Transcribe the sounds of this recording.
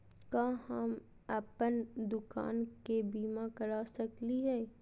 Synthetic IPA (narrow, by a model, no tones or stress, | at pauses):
kaːhəm | əpənd̪ʊka̰ːnkebiːmãkəɾaːsɐkliɦɛː